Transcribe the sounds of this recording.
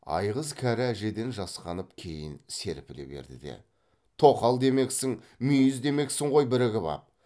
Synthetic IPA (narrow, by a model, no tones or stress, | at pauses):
ɑ̰jʁəzkʲʰæɾɪæʒe̞d̪e̞nʒɑsqɑnəpkʲʰe̞jɪnse̞ɾpɪlḛbe̞̰ɾd̪ɪ̰d̪e̞̰ | t̪ʰo̞qɑlˠd̪e̞me̞ksɪŋ | mʏjɪzd̪e̞me̞ksɪɴʁo̞jbɪɾɪɡʲɪbɑ̰p̚